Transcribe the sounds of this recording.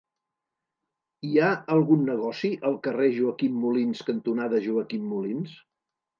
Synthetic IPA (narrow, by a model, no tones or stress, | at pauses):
iaəlˠɣunːəɣ̞ɔsiʔəlˠkəreʒuəkimːulinskənt̪unaðəʒuəkimːulins